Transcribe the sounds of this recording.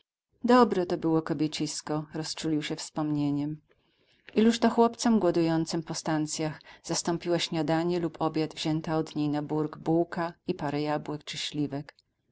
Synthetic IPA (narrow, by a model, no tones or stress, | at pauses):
d̪ɔbɾɛt̪ɔbɘwɔkɔbʲjet͡ɕiskɔɾɔst͡ʂulʲiwɕɛfspɔmɲeɲɛm | ʔiluʂt̪ɔxwɔpt̪sɔmɡwɔd̪ujɔnt̪sɘmpɔst̪ant̪sʲjaxz̥ast̪ɔmpʲiwaɕɲad̪aɲɛlupʰɔbʲjad̪vʑɛnt̪aɔd̪ɲejnabuɾɡbuwkaipaɾɛjabwɛkt͡ʂɘɕlʲivɛk